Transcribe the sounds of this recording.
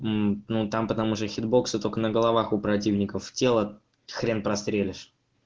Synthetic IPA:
m̩nut̪ampət̪ɐmuʂt̪əxʲɪd̪̚bo̞ksɨt̪o̞lʲkənəɡəlˠɐvaxʊpɾɐt̬ʲivnʲɪkəftʲe̞lˠə | xɾʲenpɾɐst̪ɾʲelʲɪʂ

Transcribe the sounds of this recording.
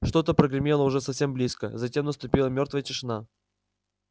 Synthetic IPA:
ʂt̪o̞t̪əpɾəɡɾɪmʲelˠəʊʐɛsɐfsʲe̞mblʲiskə̰zɐtʲe̞mnəst̪ʊpʲilˠəmʲo̞rt̪vəjətʲɪʂɨna

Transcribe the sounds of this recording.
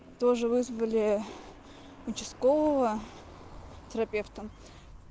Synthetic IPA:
t̪oʐɨvɨzvəlʲɪ | ʊt͡ʃɪskovəvə | t̪ʲəɾɐpʲe̞ft̪ə

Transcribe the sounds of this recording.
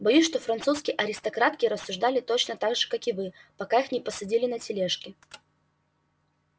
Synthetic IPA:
bɐjusʲʂt̪o̞fɾɐnt̪suskʲɪjʔɐɾʲɪst̪ɐkɾat̪kʲɪɾəsːʊʐd̪alʲɪt̪ot͡ɕnət̪aɡʐɨkakɪvɨpɐkaixnʲɪpəsɐdʲilʲɪnətʲɪlʲeʂkʲɪ

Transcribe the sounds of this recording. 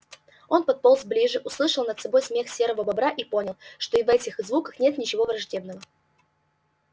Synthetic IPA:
o̞npɐt̪̚polˠzblʲiʐɨʔʊslˠɨʂəlˠnət̪sɐbo̞jsmʲe̞xsʲe̞ɾəvəbɐbɾaʔipo̞nʲɪlˠʂt̪o̞ivɛtʲɪxzvukəxnʲe̞t̪nʲɪt͡ɕɪvo̞vrɐʐdʲe̞bnəvə

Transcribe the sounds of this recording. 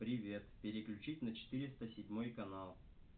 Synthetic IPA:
pɾʲɪvʲe̞t̪pʲɪɾʲɪklʲʉt͡ɕitʲnət͡ɕɪ̥t̪ɨɾʲɪst̪əsʲɪdʲmo̞jkɐnalˠ

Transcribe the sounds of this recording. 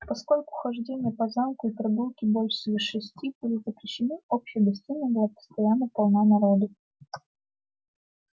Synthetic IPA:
pɐsko̞lʲkʊxɐʐdʲenʲɪjəpɐzamkʊipɾɐɡulˠkʲɪbolʲʂsʲvʲɪʂɨsʲtʲibɨlʲɪt̪zəkɾʲɪɕːɪnɨopɕːɪjəɡɐs̬ʲtʲinʲəbɨlˠapə̥st̪ɐjanːəpɐlˠnanɐɾod̪ə

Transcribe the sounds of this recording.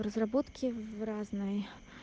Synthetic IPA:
ɾɐzrabɔt̪kʲivraznɨj

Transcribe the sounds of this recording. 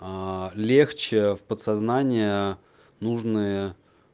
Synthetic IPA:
lʲext͡ɕɪfpət̪sɐznanʲɪjə | nuʐnɨjə

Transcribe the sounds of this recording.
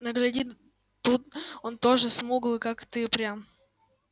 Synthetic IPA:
nəɡlʲɐdʲi | t̪ut̪ont̪o̞ʐɨsmuɡlˠɨkakt̪ɨpɾʲam

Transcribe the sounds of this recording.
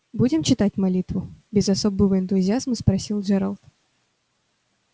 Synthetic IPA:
bud͡zʲɪmt͡ʃɨt̪at͡sʲmalʲit̪vʊbʲɪzasɔbɨvɨɛnt̪ʊzʲijazmɨspɾasʲilˠʐɛɾalˠt̪

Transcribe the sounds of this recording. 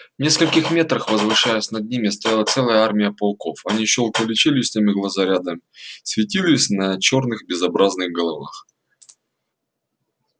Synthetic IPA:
vnʲe̞skəlʲkʲɪxmʲe̞t̪ɾəxvəzvɨʂajɛsʲnɐd̪ʲnʲimʲɪst̪ɐjalˠət̪sɛlˠəjəarmʲɪjəpɐlˠko̞fɐnʲiɕolˠkəlʲɪt͡ɕelʲɪsʲt̪ʲemʲɪɡlˠəzɐɾʲad̪əmʲsʲvʲɪtʲilʲɪsʲnɐt͡ɕo̞rnɨxbʲɪzɐbɾaznɨɣɡəlˠɐva̰x

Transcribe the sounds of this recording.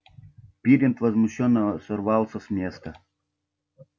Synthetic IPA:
pʲiɾʲɪnt̪vɐzmʊɕːɔnːəəsɔrvɑlˠsəsmʲest̪ə

